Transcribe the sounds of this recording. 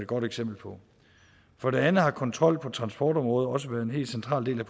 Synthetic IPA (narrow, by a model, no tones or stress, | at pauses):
ed̥̚ɡ̥ɒ̽ɾ̥eɡ̥sem̰b̥l̩pʰɒ̽ | fɒ̽ɾ̥e̝ænð̩ˠhɑ̈kʰɒ̽nt͡sʰʁɒ̽l̰pʰɒ̽t͡sʰʁɑ̈nsb̥ɒ̰ːd̥ɒ̽mʁɔ̽ːð̞̩ˠɒ̽səʋæːɐð̩ˠe̝nɦe̝̰ːldsent͡sʰʁɑ̰̈ːlde̝̰ːlæpʰ